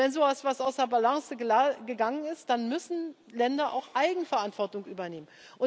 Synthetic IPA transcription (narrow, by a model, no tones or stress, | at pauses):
vɛnzoːvasv̥asaʊsɐbalaŋsəɡəɡəɡaŋənɪst̚d̥anmʏsn̩ | lɛndɐʔa̰ʊxʔaɪɡŋ̩fɛɐʔantv̥ɔɐtʊŋʔyːbɐneːmən | ʔʊ